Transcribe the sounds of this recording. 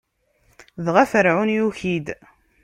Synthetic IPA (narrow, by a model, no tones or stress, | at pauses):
ðʁæfəɾʕunjuçid̪